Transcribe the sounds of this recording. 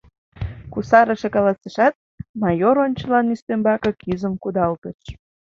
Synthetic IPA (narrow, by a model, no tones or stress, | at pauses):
kusɑɾəʃekɑlɑsəʃɑt̪̚ | mɑjoɾonʲt͡ɕə̆lɑnyst̪embɑkɤkyzəmkud̪ɑlt̪əʃ